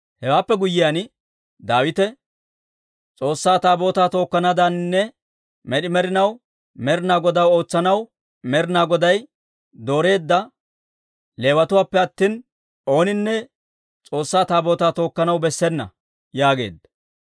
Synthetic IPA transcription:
hɛwaːpːɛɡʊjːɪjan | d̪aːwɪt̪ɛ | t͡sʼo̞ːsːaːt̪aːbo̞ːt̪aːt̪o̞ːkːɐnad̪ɐnnːɛ | mɛɗɪmɛɾɪnɐw | mɛɾɪnaːɡɔd̪ɐwo̞ːt͡sːɐnɐw | mɛɾɪnaːɡɔd̪ɐj | d̪o̞ːɾe̞ːd̪ːɐ | le̞ːwɐt̪ʊwaːpːɛɐt̪ːiːn | o̞ːnɪnːɛ | t͡sʼo̞ːsːaːt̪aːbo̞ːt̪aːt̪o̞ːkːɐnɐwbɛsːɛnːɐ̰ | jaːɡe̞̰ːd̪ːɐ̥

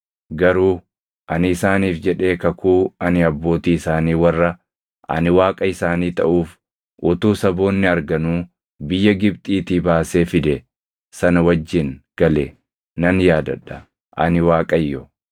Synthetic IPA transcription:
ɡɐɾuː | ʔɐnɪːsaːniːfd͡ʒɛᶑe̞ːkɐkʰuːɐnɪɐbːo̞ːt̪iːɪsaːniːwɐrːɐ | ʔɐ̰nɪwaːkʼɐɪsaːniːt̪ɐʔuːf | ʔʊt̪uːsɐbo̞ːnːɪɐɾɡɐnuː | bɪjːɐɡɪb̚t̪ʼiːt̪iːbaːse̞ːfɪd̪ɛ | sɐnɐwɐd͡ʒːɪnɡ̥ɐle | nɐnjaːd̪ɐ̰ᶑːɐ | ʔɐ̰nɪwaːkʼɐjːɔ

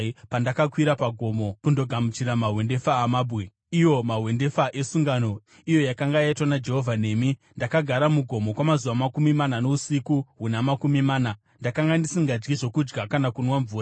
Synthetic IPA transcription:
pandakakwiɾapaɡʱo̞mo̞kundo̞ɡʱamut͡ʃiɾamaɦwe̞nde̞faːmaːbʱwe | ijo̞maɦwe̞nde̞faʔe̞suŋɡano̞ | ijo̞jakaŋɡajaitwanad͡ʒe̞ɦo̞vʱane̞ːmindakaɡʱaɾamuɡʱo̞mo̞kwamazuʋamakumimanano̞usikuɦunamakumimaːna | ndakaŋɡandisiŋɡad͡ʒɡiʐo̞kud͡ʒɡakanakunwaɱvuːra

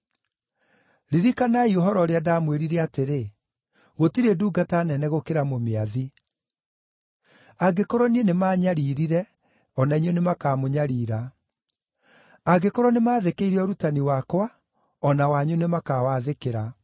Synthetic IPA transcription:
ɾiɾikanaioɦɔɾɔɾeadaːmweɾiɾɛateɾe | ɣotiɾeduːɡatanɛnɛɣokeɾamomeaði | aɡekɔɾɔnienemaːɲaɾiːɾiɾɛ | ɔnaiɲɔnemakaːmoɲaɾiːɾa | aɡekɔɾɔnemaːðekeiɾeɔɾutaniwakwa | ɔnawaɲunemakawaðekeɾa

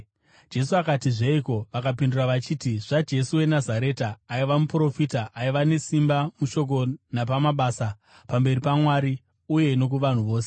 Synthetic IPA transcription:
d͡ʒe̞suakatiʐeiko̞ʋakapinduraʋat͡ʃiːtiʐ̥ad͡ʒe̞suwe̞nazaɾe̞ːtaːiʋamupuro̞fitaʔaiʋane̞simbamuʃo̞k̬o̞nap̬amaɓaːsa | pambe̞ripamwaːɾi | uje̞ino̞k̬uʋan̤uʋo̞ːse̞

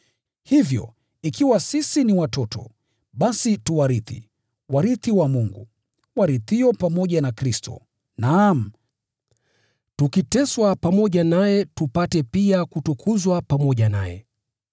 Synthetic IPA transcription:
hivjɔ̰ | ikiwasisiniwatɔtɔ̰ | ɓasituwaɾiθḭ | waɾiθiwamuŋɡṵ | waɾiθiɔpamɔʄanakɾistɔ̰ | nam̩ | tukitɛswapamɔʄanajɛtupatɛpiakutukʰuzwapamɔʄana̰jɛ̰

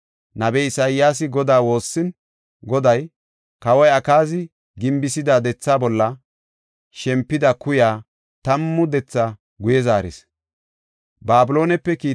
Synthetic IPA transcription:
nɐbɛɪsajɪjaːs̬ɪɡɔd̪aːwo̞ːsːɪn | ɡɔd̪ɐj | kɐwɐjɐkaːzɪ | ɡɪmbɪsɪd̪ad̪ɛt͡sːaːbɔlːɐ | ʃɛmpːɪd̪ɐkʊjaː | t̪ɐmːʊd̪ɛt͡sːa | ɡʊjɛzaːɾɪ̰s | baːbɪlo̞ːnɛpːɛkiː

